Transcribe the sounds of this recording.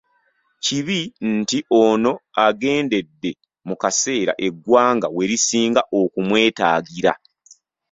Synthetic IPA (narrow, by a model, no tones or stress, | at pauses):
ciβintiʔono̞aɡe̞ːnde̞dːe̞ | mukase̞ːɾa̰ʔe̞ɡwaːŋɡawe̞ɾisiːŋɡaʔokumwe̞ːtaːɡiɾa̰